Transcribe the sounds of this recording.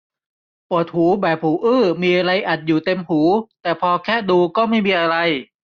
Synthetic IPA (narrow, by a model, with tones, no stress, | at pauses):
pu˨˩ət̪̚huː˩˦bɛː˨˩p̚huː˩˦ʔɯː˥˩miː˧ʔa˧ɾa˧jʔa˨˩t̪̚juː˨˩t̪e˧mhuː˩˦t̪ɛː˨˩pʰɔː˧kʰɛː˥˩duː˧kɔː˥˩ma˥˩jmiː˧ʔa˧ɾa˧j